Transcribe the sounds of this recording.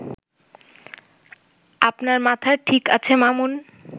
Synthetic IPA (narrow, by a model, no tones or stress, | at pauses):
apnaɾmat̪ʰaʈʰika̰t͡ɕʰemamun